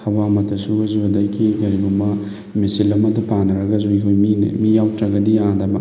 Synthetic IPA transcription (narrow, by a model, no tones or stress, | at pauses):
hɐbamɐtʰɐsuɐzubɐdajkʰiɡɐɾibumbɐ | misilɐmɐdupanɐɾɐɡɐzojkʰojmḭmijawtɾɐɡɐdiandɐbɐ